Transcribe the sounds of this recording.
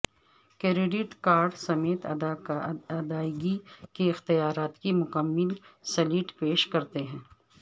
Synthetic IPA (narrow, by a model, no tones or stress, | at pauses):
keɾeɖɪʈkaːɾɖsɐmeːt̪ | ɐd̪aːɪɡikiɪxt̪ijaːɾaːt̪kimʊkəmːɪlsɐliːʈpeːʃkɐɾt̪eɦɛ̃ː